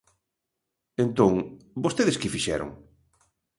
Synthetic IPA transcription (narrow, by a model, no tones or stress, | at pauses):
ẽnt̪oŋbost̪eðɪskɪfiʃɛ̰ɾo̰ŋ